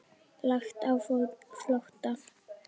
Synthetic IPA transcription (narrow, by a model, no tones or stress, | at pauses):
laxt̪awfɔlkflɔht̪a